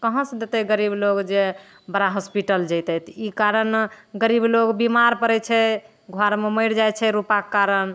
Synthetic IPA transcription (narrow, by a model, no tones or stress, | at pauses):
kəɦə̃sd̪et̪ɛɡəɾibloɡd͡ʒe | bəɾaɦɔspiʈəld͡ʒəjt̪ɛt̪ʰikaɾənɡəɾibloɡbimaɾpəɾɛt͡ʃʰɛ | ɡʱwaɾmeməɪɾd͡ʒajt͡ʃʰɛɾupakːaɾən